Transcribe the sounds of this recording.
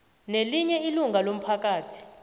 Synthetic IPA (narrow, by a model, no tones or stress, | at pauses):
neliɲɛiluŋɡʱalom̩pʰak̬ʼaːtʰi̥